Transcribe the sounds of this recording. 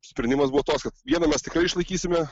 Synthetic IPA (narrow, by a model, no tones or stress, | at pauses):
sʲpʲɾʲɛnd̪ʲɪmɐsbuʋot̪oːkskɐt̪ʋʲiɛnɐmʲɛst̪ʲɪkɾɐɪɪʃlˠɐɪkʲiːsʲɪmʲɛ